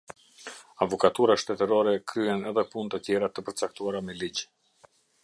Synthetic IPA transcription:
avɔkat̪uɾaʃt̪ɛt̪əɾɔɾɛkɾyhɛnɛðɛpunt̪ət̪jɛɾat̪əpəɾt͡sak̚t̪uaɾamɛlid͡ʑ

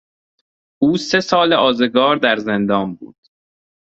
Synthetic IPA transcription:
ʔuːse̞sɒːleʔɒːzeɡɒːɾd̪æɾze̞nd̪ɒːnbṵːd̪̥

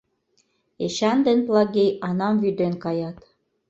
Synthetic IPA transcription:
eʃænd̪ɘ̆nplˠɑɡejɑnɑmvyd̪enkɑjɑt̪

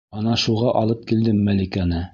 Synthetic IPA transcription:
ɑnɑʃuʁɑʔɑlˠɤp̚kild̪ɘmːælikænɘ

